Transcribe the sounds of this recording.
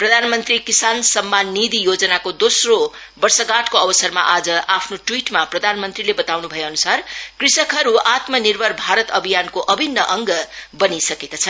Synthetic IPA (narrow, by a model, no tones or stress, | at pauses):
prʌd̪ʱanmʌnt̪rikisansʌmːanːid̪ʱijod͡zʌnakod̪osro | bʌrsʌɡaʈkoʌbʌsʌrma̰ʔad͡zʌʔapʰnoʈwiʈmaprʌd̪ʱanmʌnt̪rilebʌt̪awnubʱʌjeʌnusarkrisʌkɦʌɾuat̪mʌnirbʱʌrbʱaɾʌt̪ʌbʱijankoʔʌbʱinːʌʔʌŋɡʌbʌnisʌkekat͡sʰʌn